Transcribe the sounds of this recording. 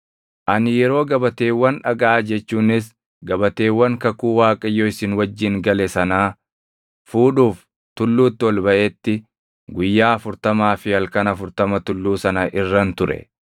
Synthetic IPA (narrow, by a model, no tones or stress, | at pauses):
ʔɐnɪjɛɾo̞ːɡɐbɐt̪eːwːɐnᶑɐɡaːd͡ʒɛt͡ʃːuːnɪs̬ | ɡɐbɐt̪eːwːɐŋkɐkuːwaːkʼɐjːoːɪsɪnwɐd͡ʒːɪŋɡɐlɛsɐnaː | fuːᶑuːf | t̪ʊlːuːt̪ːɪwɔlbɐʔet̪ːɪ | ɡʊjːaːɐfʊɾt̪ɐmaːfɪɐlkɐnɐfʊɾt̪ɐmɐt̪ʊlːuːsɐnɐʔɪrːɐnt̪ʊɾɛ̰